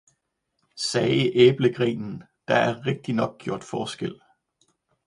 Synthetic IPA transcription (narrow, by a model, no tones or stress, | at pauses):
sɛːɪiʔeːb̥ləɡ̥ʁḭːnn̩ | d̥ɑ̈æɐʁeɡ̥̚d̥inɒ̽ɡ̥̚ɡ̥jo̝ɐ̰d̥fɒːsɡ̥el̰